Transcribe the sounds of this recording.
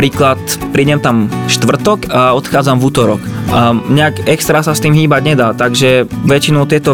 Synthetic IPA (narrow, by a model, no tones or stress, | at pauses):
ɾiːklat̪pɾiːɟɛmt̪amʃt̪ʋr̩t̪ɔkaɔt̪xaːd͡zamvuːt̪ɔɾɔkɲɛakɛkst̪ɾasast̪iːmɦiːbaɟɲɛd̪aːt̪aɡʒɛʋɛt͡ʃinɔʊt̪ɪɛt̪ɔ